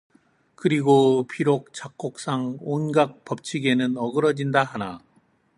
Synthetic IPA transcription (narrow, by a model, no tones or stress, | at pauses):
kɯɾiɡopʰiɾok̚t͡ɕ͈ak͈ok̚s͈aŋonɡak̚p͈ʌp̚t͡ɕʰiɡe̞nɯnʌɡɯɾʌd͡ʑindaɦana